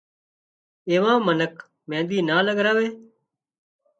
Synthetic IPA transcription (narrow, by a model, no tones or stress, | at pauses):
eːʋãːmənək | mẽːd̪iːnaːləɡɾaːʋeː